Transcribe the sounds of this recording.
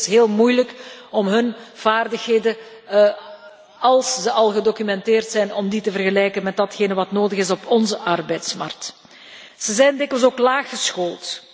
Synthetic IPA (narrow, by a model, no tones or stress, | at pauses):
sɦeːlˠmujləkɔmɦɵnv̥aːrdəxɦeːdə | ɑlˠszəʔɑlˠɣədokymɛnteːrtsɛjnɔmditəvərɣəlɛjkənmɛt̚dɑtxeːnəʋɑtnoːdəɣɪsɔpʰɔnzəʔɑrbɛjtsmɑ̰rk̚t | z̥əzɛjndɪkʋəls̬oːklaːxəsxoːlˠt